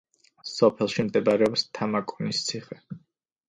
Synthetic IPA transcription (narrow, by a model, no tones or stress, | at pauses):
sɔpʰɛlˠʃimd̪ɛbaɾɛɔpst̪ʰamakʼɔnist̪sʰiχɛ